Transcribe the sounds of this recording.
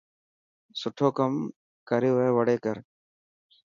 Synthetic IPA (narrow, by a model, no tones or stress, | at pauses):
sʊʈʰoːkəm | kəɾeːʋeːʋəɽeːkəɾ